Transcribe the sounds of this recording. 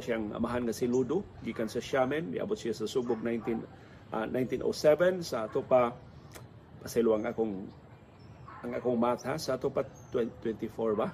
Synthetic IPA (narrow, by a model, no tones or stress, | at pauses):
ʃjaŋɐ̰maɦanŋɐsɪlud̪ʊɡiːkansɐʃamɛnmɪ̰ʔɐ̰bot̪̚sɪjasɐsuɡ̚bʊɡ̚najnt̪in | nʔajnt̪inʔo̰sɛvɛnsaʔːt̪opa | pɐsɛloʔaŋʔakoŋ | ʔɐŋʔakoŋmat̪hasaat̪opat̪wɛt̪wɛnt̪ifoɹba